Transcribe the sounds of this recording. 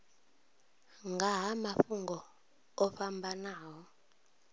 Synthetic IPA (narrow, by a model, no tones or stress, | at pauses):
ŋɡʱaɦamafuŋɡɔ | ɔɸambʱanaːwɔ